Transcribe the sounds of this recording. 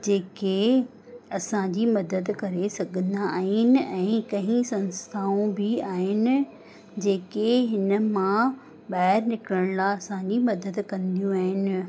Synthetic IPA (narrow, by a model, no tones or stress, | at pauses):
d͡ʑeːke | ɐsãd͡ʑimɐd̪əd̪kɐɾesɐɡʱə̃nd̪aaːɦɪnɪ̆ɛ̃ːkɐ̃ɦĩsɐ̃nst̪ʰaːũbɪaːɦɪnɪ̆ | d͡ʑeːkeɦɪnə̆mã | ɓaːɦɪɾnɪkɾəɽ̃laɐsãd͡ʑimɐd̪əd̪kɐ̃nd̪ijũaːɦɪnɪ̆